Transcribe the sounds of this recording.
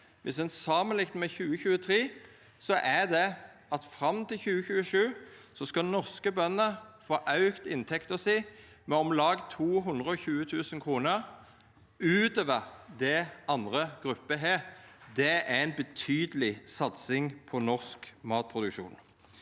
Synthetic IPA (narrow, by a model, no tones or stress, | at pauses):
ʋʔɪsɛnsɑmənlɪkt̪mɛçʉːəçʉːət̪ʰʁiː | sɔʔæd̪ɛʔɑt̪fʁɑmt̪ɪlçʉːəçʉːəʂʉːsɔskɑnɔʁskəbœnːəfoːʔɑʉkt̪ɪnt̪ʰɛkt̪əsæɪ | mɛɔmlɑːɡt̪ʰuːɦʉnd̪ʁəɔçʉːət̪ʰʉːsənkʰʁuːnəʁ | ʉːt̪øːʋəʁd̪ɛʔɑnd̪ʁəɡ̥ʁʉpːəɦæːʁd̪ɛæɛɪnbət̪ʰyːd̪əlɪsɑt̪sɪŋpʰɔnɔʁskmɑːt̪̚pʰʁʊd̪ʉkʂṵːn